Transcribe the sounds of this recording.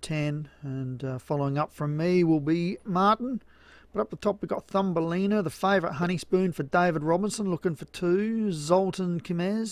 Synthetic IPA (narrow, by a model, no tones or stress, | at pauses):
tʰɛ̃nɨ̃nfɑlˠoʊɪ̃ŋʌpfɹʌ̃mːiwɪlˠbimɑɹʔn̩ | b̥ʌɾʌp̚ðətʰɑpwiɡɑt̪̚θʌ̃mbəlĩnə˞ðəfeɪvə˞ət̚ɦʌɾ̃ispʉ̃nfə˞deɪvəd̚ɹɑbə̃nsə̃nlʊkɪ̃ŋfə˞tʰʉzʌlˠtn̩kʰɨmɛz̥